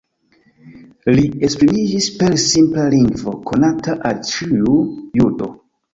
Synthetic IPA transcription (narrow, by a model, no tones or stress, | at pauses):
lie̞spɾimid͡ʒispe̞ɾsimplaliŋɡvo̞̰kʰo̞nataʔalt͡ʃiujudo̞̰